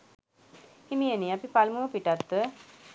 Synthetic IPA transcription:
imijəniapipalmuəpiʈat̪ːʋə

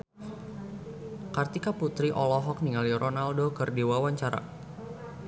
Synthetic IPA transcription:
kart̪ikaput̪ɾiʔɔlɔɦɔk̚niŋalirʔɔnaldokɨrdiwawaɲt͡ʃaɾa̰

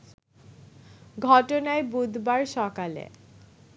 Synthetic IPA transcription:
ɡʱɔʈonaebud̪ʱbaɾʃɔkalḛ

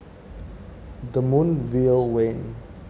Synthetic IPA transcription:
d̪əmunvilwen

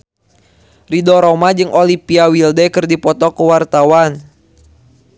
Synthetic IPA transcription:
ridɔɾɔmad͡ʒɨŋʔolipiawildɛkɨrdipɔt̪ɔkəwart̪awan

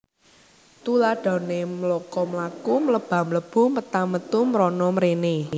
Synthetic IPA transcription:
t̪ulaɖ̥ɔ̤nemlɔkɔmlakumləb̥a̤mləb̥ṳmət̪amət̪umɾɔnɔməɾene

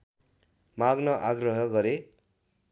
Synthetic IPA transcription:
maɡnʌʔaɡrʌɦʌɡʌɾe

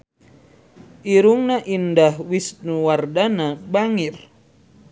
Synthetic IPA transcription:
ʔiɾuŋnaʔindahwisnuwardanabaŋir

